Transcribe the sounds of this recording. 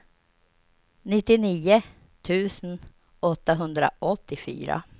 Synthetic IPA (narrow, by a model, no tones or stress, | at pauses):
nɪt̪ːɪniːə | t̪ʰʉ̟ːsən | ɔt̪ːaɦɵnd̪ɾa̰ʔɔt̪ːɪfy̰ːɾa̰